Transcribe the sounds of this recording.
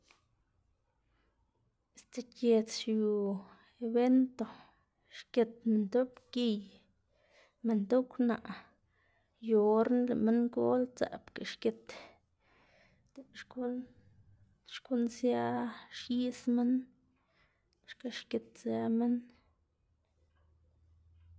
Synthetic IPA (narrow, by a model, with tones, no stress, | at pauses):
e˧˨st̪e˨kje˧t͡sʃju˨ | e˨be˦nt̪o˨ | ʃke˧t̪̚me˨nt̪o˦pki˧j | me˨nt̪o˦kna̰˧˨ʔ | jo˨ɾnlḛ˨ʔme˦ŋɡo̰˦lt͡sa̰˨pke˨ʃke˧t̪ | d̪̥e˨ʃku˦ | ʃku˦nsja˦ʃji˦sme˦n | ʃka˦ʃke˧t̪̚sa˦me˦n